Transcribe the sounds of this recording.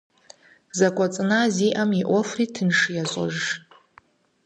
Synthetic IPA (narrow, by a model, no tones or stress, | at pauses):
zakʷʼat͡sʼnaziʔamiʔʷofritʰɨnʂjazʷʼɔ̰ʒː